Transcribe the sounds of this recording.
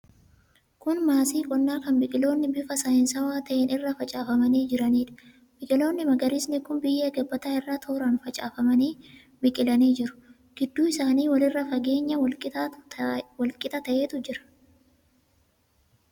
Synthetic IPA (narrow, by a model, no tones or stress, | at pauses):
kʊnmaːsiːkʼɔnːaːkɐnbɪkʼɪlo̞ːnːɪbɪfɐsɐɪnsɐwaːt̪ɐʔeːnɪrːɐfɐt͡ʃʼaːfɐmɐniːd͡ʒɪɾɐniːᶑɐ̥ | b̥ɪkʼɪlo̞ːnːɪmɐɡɐɾɪsnɪkʊnbɪjːeːɡɐbːɐt̪aːɪrːaːt̪ʰoːɾɐnfɐt͡ʃʼaːfɐmɐniː | bɪkʼɪlɐniːd͡ʒɪɾʊ̥ | ɡ̥ɪd̪ːuːɪsaːniːwɐlɪrːɐfɐɡe̞ːɲːɐwɐlkʼɪt̪ː | wɐlkʼɪt̪ʼɐt̪ɐʔe̞ːt̪ʊd͡ʒɪɾɐ̥